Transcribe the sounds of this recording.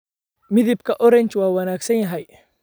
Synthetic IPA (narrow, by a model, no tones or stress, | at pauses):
mɪðɪbkɐʔɔɾɛɲt͡ʃwaːwɐnaːksɐnjɐɦɐj